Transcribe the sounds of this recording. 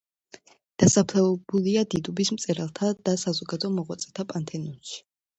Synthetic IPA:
d̪̥asapʰlɛvɛbuliad̪id̪ubismt̪sʼɛɾalˠt̪ʰad̪̥asazɔɡad̪ɔɔmɔʁwat̪sʼɛt̪ʰapʼant̪ʰɛnɔnʃi̥

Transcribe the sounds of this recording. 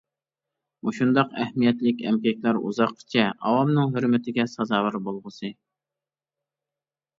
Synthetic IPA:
uʃund̪ɑqæhmijɛt̪lɪkʲɛmkʲɛkʲlæɾṵzɑqːə̥t͡ʃʰɛɑ̰wɑmnɨŋɦøɾmɪt̪ʰɪɡʲɛsɑzɑːwɨɾbolˠʁəsɨ

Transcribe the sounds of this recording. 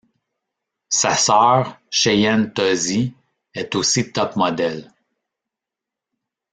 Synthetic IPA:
sasœːʁʃejɛnt̪ɔzi | ɛt̪osit̪ɔpmɔd̪ɛl

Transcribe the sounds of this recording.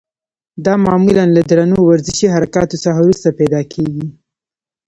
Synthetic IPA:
d̪ɑmɑmulanlad̪ɾanuowaɾzɪʃiɦaɾakɑt̪osaxawɾust̪apɛd̪ɑkʰeɡi

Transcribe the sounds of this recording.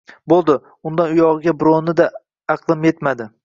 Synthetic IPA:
bolˠd̪ɪ | ʊnd̪anʊjɒʁɨɡʲabɾonɪd̪a | ɑqlˠɪmje̞t̪mad̪ɪ

